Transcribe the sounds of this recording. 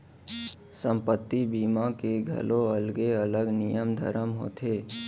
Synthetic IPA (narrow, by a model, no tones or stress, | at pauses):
sə̃mpət̪ːibiːmãkeɡʱə̰loəlɡeələɡnɪjəmd̪ʱə̰ɾəmɦo̰ːt̪ʰeː